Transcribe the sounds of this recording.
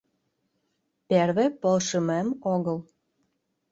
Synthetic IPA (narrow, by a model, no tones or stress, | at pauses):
perβepolʃəmemoɣəl